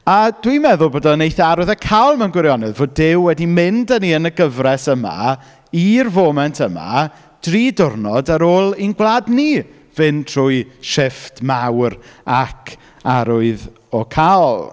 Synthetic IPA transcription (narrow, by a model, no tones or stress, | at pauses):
ad̥wimɛðʊlˠboːdɔnejθaɾʊɨðəkʰawlˠmɛnɡwɪɾjɔnɛðvoːdɪwːɛdimɪndəniənəɡəvrɛsəma̰ | irvoːmɛntʰəma̰ | d̥riːdʊrnɔdaɾoːlˠinɡwlˠadni | vɪntʰruːɨʃɪftmawrakʰ | aɾʊɨð | ɔkʰaɔlˠ